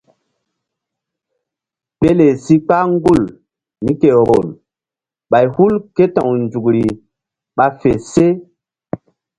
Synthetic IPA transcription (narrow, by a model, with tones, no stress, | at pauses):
pe˦le˨si˦k͡pa˦ŋɡu˦˨l | ni˦ke˨ɾo̰˨l | ɓa˨jhu˦lke˦tã̰˨wnd͡ʒu˨kɾi˨ | ɓa˨fe˨se˦